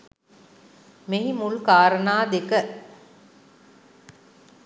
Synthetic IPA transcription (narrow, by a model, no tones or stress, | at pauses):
meɦimulkaːɾənaːd̪ekə